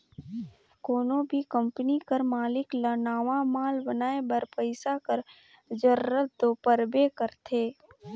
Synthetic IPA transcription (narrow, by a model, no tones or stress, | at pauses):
koːnõbʱikə̃mpənikəɾmaːlɪklənaːʋamaːlbənaːebəɾpəɪsakəɾ | d͡ʒəɾɾət̪̚d̪oːpəɾbekəɾt̪ʰeː